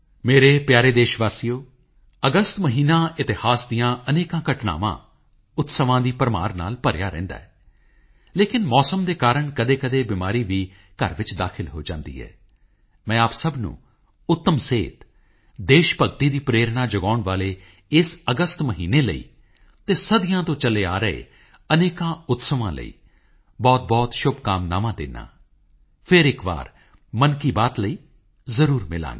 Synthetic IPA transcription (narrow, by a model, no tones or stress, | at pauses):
meːɾeːpjaːɾeːd̪eːʃʋaːsijoː | əɡəst̪məɦiːnãːɪt̪ɪhaːsd̪ijãːəneːkãːkəʈna̰ːʋã̰ː | ʊt̪səʋãːd̪iːpəɾma̰ːɾna̰ːlpəɾɪjaːɾɛ̰̃ːnd̪a̰ːɛː | leːkɪnmɔːsəmd̪eːkaːɾəɳkəd̪eːkəd̪eːbɪmaːɾiːʋiː | kə̰ɾʋɪt͡ʃd̪aːkʰɪlɦo̰ːd͡ʒã̰ːnd̪ḭːɦɛ̰ː | mɛ̃ːaːpsəbnṵ̃ː | ʊt̪ːəmseːt̪ | d̪eːʃpəɡt̪iːd̪iːpɾeːɾnaːd͡ʒəɡaːʊɳʋaːleː | ɪsəɡəst̪məɦiːneːlə̰ḭː | t̪eːsəd̪ɪjãːt̪õːt͡ʃəleːaːɾəḛː | əneːkãːʊt̪səʋãːlə̰ḭː | bɔːt̪̚bɔːt̪ʃʊbkaːmnaːmãːd̪ɪ̰ːnːa̰ː | pʰɪɾɪkʋa̰ːɾ | mənkiːbaːt̪ləiː | zəɾuːɾmɪlã̰ːŋɡ